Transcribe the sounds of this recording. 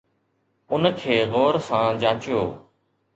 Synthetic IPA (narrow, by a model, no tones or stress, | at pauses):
ʊnkʰeːɣɔːɾsãːd͡ʒãːt͡ʃɪjoː